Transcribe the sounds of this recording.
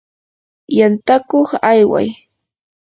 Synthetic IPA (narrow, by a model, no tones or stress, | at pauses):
jant̪akoχajwa̰j